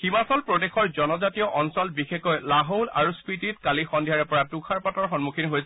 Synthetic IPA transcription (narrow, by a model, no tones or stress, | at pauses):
ximasɔlpɹɔdexɔɹzɔnɔzatiɔʔɔnsɔlbixekɔjlaɦola̰ɹuspitit̚kalixɔndʱijaɹɛpɔɹatukʰaɹpatɔɹxɔnmukʰinɦojsɛ